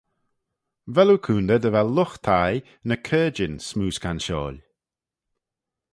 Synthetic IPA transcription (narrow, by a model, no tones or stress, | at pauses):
vɛlukʰuːnd̪əd̪əvɛlːʊxt̪ʰaj | nəkʰɜːd͡ʒɪnsmuːskʰanʃɔ̰ːlʲ